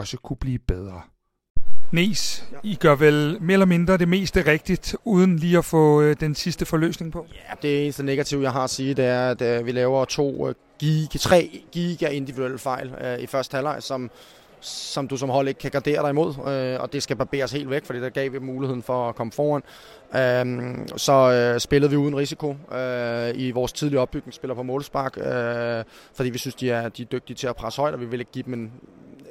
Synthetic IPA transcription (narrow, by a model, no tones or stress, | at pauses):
ɒ̽səkʰub̥liːb̥eð̞ˠʁɐ | ne̝̰ːsiɡ̥ɶɐʋelme̝̰ɐelɐme̝nd̥ʁɐɾ̥e̝me̝̰ːsd̥əʁeɡ̥̚d̥id̥uːð̞ˠn̩liːɒfɔ̰̽ːd̥ensisd̥əfɒ̽lø̰ːsne̝ŋpʰɒ̽jæd̥e̝e̝ːnəsd̥ene̝ɡ̥æt͡sʰiʊ̰jɑ̈ɪɦɑ̈siːd̥e̝æɐæd̥ʋilɛːʊɐt͡sʰo̝̰ː | ɡ̥iɡt͡sʰʁɛ̰ːɡ̥iːɡ̥æʔe̝nd̥iʋid̥uel̰fɑ̈ɪ̰lifɶɐsd̥hælɑ̈ɪ̰sɒ̽m | sɒ̽md̥us̬ɒ̽mɦɒl̰e̝ɡ̥̚kʰːæɡ̥ɑ̈ːd̥e̝̰ːɐɾ̥ɑ̈imo̝ð̞̰ˠøɒ̽d̥e̝sɡ̥æb̥ɑb̥e̝̰ːɐshe̝̰ːld̥ʋeɡ̥fɒd̥ḭːd̥ɑɡ̥ɛ̰ːʋiɡmuːlihe̝ð̰ˠn̩fɒ̽kʰɒ̽məfɒːæn̰ | ø | sɒ̽sb̥e̝ləð̩ˠʋiuːð̞ˠn̩ʁisikʰo̝øiʋɒːst͡sʰiðˠliɐɒ̽b̥ːyɡ̥ne̝ŋsb̥e̝lɐpʰɒmɔ̽ːlsb̥ɑ̈ɡ̥ø | fɒd̥ḭːʋisynsd̥iæɐd̥id̥øɡ̥̚d̥iət͡sʰe̝æpʰʁasə̥hɒ̽ɪ̰d̥ɒʋiʋe̝le̝ɡ̥̚ɡḭːd̥me̝n